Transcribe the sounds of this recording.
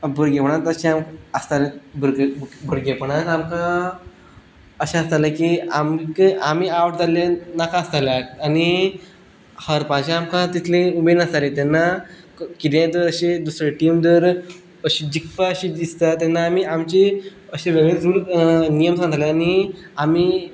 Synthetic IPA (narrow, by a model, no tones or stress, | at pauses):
bəɾɡepəɳat̪əɕĩaməst̪alebəɾɡbʱəɾɡepəɳat̪amkã | əɕãəst̪alẽkiamkiʔamiaʋʈd͡zalenakãəst̪alaːni | həɾpãɕãamkãt̪it̪ʰlẽumed̪nəst̪alet̪ɛnːa | kit̪ẽt̪əɾəɕed̪usɾeʈimd̪əɾ | əɕid͡ʑikfaəɕid̪ist̪at̪enːaːmiːamt͡ɕeəɕeʋeɡed͡zulnijəmsãd̪aleaniami